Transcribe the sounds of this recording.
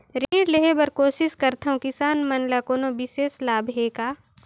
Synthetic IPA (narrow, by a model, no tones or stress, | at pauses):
ɾẽːɖleɦebɐɾkoːsɪʃkɐɾt̪ʰɐũkɪsaːnmɐnlakoːnõbɪʃeːslaːbʱɦeːkaː